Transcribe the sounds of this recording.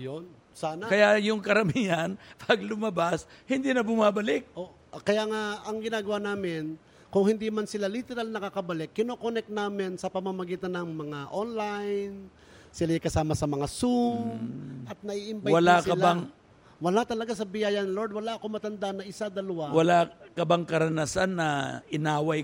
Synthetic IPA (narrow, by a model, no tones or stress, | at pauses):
jon | saːnakɐjajʊŋkɐɾɐmianpʰɐɡ̚lʊmɐbashɪnd̪inɐbʊmabɐlɪk̚ʔoʔ | ʔkɐjaŋaʔɐŋɡɪnaːɡɐwanaːmɪn | kʊŋhɪnd̪imansɪlalit̪ɛɾalnɐkakɐbɐlɪkːɪnoːkonɛk̚t̪̚naːmɪnsɐpɐmamɐɡiːt̪ɐnːɐŋmɐŋaʔonlajn | sɪlaɪkɐsaːmɐsɐmɐŋasumʔɐt̪̚nɐʔiʔɪmbawɐlasɪɐlaŋ | wɐlat̪ɐlɐɡasɐbɪjaːjɐnlod̪wɐlaʔɐko̞mɐt̪ɐnd̪aʔnɐʔɪsad̪ɐlɐwawɐlakɐbaŋkɐɾɐnasanːɐɪnaːwaj